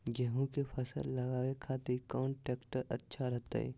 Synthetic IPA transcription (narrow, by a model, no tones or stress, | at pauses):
ɡəɦũkepʰɐsə̰lːɐɡaːwekʰaːt̪eikɔːnʈeːkʈəɾɐtːʃʰaɾɐɦt̪a̰ɛ̰ː